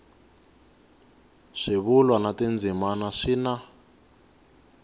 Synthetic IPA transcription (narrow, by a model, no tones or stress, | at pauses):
ʂiβulwanatend͡zʱimanaʂina